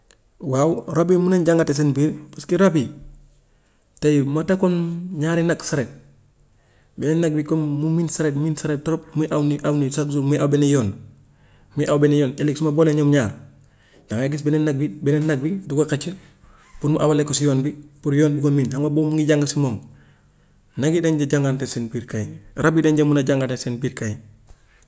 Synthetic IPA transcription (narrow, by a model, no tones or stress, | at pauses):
wawɾabimunanɟaŋɡates̬enbiɾpaskiɾabi | tajmatakonɲaːɾinaksaɾet̚ | benenːaɡ̚bikonmuminsaɾetminsaɾet̚tɔɾop̚muiʔawniʔawnisakzumujʔawbenijoːn | mijʔawbenejoːneliksmaboːleɲomɲaːɾ | d͡ʒaŋaɡis̬benenaɡ̚bibɛnenaɡ̚biduɡokat͡ʃə | puɾmuʔawalekːosijoːnbipuɾjoːnbikomiːnhaŋoboːmuŋɡiɟaŋɡasimoːŋ | naɡideɲɟaɟaŋɡantensenpiːɾkajiɾabideɲɟamunaɟaŋɡatesenpiːɾkaji